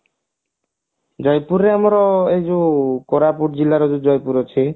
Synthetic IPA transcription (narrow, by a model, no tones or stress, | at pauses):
d͡ʒɔjpuɾeamɔɾɔed͡ʒukoɾapuɾd͡ʑilaɾɔd͡ʒud͡ʒɔjpuɾɔt͡ʃʰi